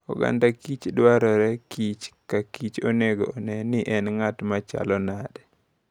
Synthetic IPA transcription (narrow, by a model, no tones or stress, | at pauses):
ɔ̰ɡa̰ndakit͡ʃdwaɾɔɾɛkit͡ʃkakit͡ʃoneɡo̰ːnɛnɪʔɛnŋatmat͡ʃa̰lɔnadɛ